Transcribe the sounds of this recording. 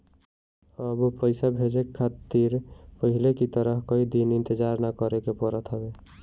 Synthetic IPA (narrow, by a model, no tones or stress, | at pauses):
əbpəɪsabʱed͡ʒeat̪iɾpəɦilekit̪əɾəɦkəid̪inɪnt̪ed͡ʒaɾnakəɾekepəɾət̪ɦəbe